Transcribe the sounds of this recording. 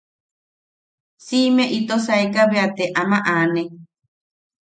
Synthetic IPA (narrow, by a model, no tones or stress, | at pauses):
simẽʔit̪os̬aekaβeat̪eʔamaʔane